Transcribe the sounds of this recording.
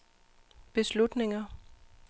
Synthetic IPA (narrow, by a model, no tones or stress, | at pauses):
b̥e̝slud̥ne̝ŋɐ